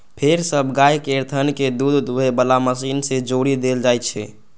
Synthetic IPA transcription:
pʰeɾsəbʱɡajkeɾt̪ʰənked̪ud̪ebəlaməsinsed͡ʒoɾid̪eld͡ʒajt̪t͡ʃʰɛ̰

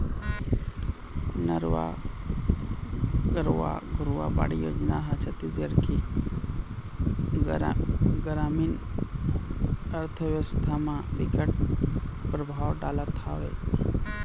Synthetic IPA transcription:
nəɾʋa̰ | kəɾʋa̰ɡʱʊɾuʋa̰ba̰ɽijo̰ːd͡ʒnaɦat͡ʃʰət̪id͡ʒəɾkʰi | ɡɾaːmin | əɾt̪ʰəʋəst̪ʰamãʋikəʈ̚ | pɾəbʱaːwɖaːlat̪ʰa̰ːʋḛ

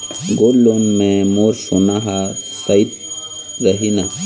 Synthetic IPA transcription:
ɡoːlːonmẽmoːɾsunaɦasɐit̪ | ɾɐɦina

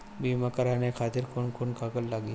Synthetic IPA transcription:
bimakəɾanekʰaːt̪ɪɾkʰoːnkonkakəlːaɡi

